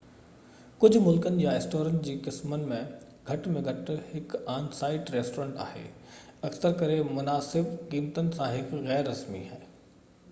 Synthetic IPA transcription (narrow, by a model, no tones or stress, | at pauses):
kʊd͡ʒʱmʊlkənɪ̆jaɪsʈoːɾənd͡ʑikɪsmənmẽ | ɡʱɐʈmẽɡʱɐʈəɦɪkaːnsaːɪʈɾeːsʈoːɾẽːɳʈa̰ːɦḛːɐksəɾkɐɾemʊnaːsɪbkiːmt̪ənɪ̆sãɦɪkɣɛːɾːɐsmḭɦɛː